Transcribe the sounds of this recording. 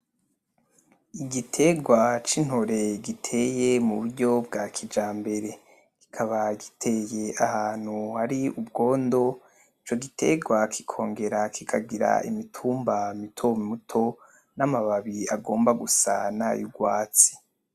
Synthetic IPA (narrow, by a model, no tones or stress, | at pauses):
iɟitʰe̞ɡwat͡ʃin̥hoɾe̞ɡitʰe̞je̞muβuɾɟo̞bɡakʰid͡ʒaːmbe̞ɾe̞ | ɡ̥i̥kʰaβaɡitʰe̞jeʔahaːn̥huhaɾiubɡo̞ːndo̞ | it͡ʃo̞ɡitʰe̞̰ɡwakʰi̥kʰo̞ːŋɡe̞ɾakʰikʰaɡiɾa̰ḭmitʰuːmbamitʰommutʰo̞ | namaβaβiaɡo̞ːmbaɡusa̰na̰juɡwaːt͡si̥